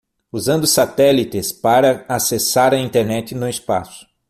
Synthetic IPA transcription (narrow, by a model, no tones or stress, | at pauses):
uzɐ̃nd̪ʊsat̪ɛlit̪ɪspaɾɐasesaɾɐĩnt̪eɾnɛt͡ʃ̪ɪnʊɪspa̰sʊ̥